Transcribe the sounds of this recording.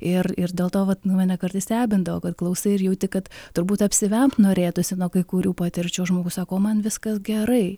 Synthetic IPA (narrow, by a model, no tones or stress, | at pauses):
ɪrɪrdʲeːlˠt̪oːʋɐt̪numʲɛnʲɛkɐɾt̪ɐɪsʲt̪ʲæːbʲɪnd̪ɐʋoːkɐt̪klˠɐʊsɐɪɪɾjɛʊt̪ʲɪkɐt̪t̪ʊɾbuːt̪ɐpʲsʲɪʋʲɛmtnoːɾʲeːt̪ʊsʲɪnoːkɐɪkuɾʲuːpɑːt̪ʲɪɾʲt͡ʃʲʊoʒmoːɡʊsɑːkoːmɐnʋʲɪskɐsɡʲɛɾɐɪ